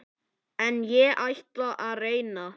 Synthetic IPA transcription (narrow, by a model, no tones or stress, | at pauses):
ɛnjɛʔajht̪laʔaðreːjna